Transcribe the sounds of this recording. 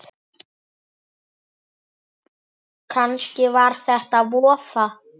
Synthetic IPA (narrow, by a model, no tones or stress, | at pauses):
kʰanscɪvaɾ̥θɛht̪aðvɔːfa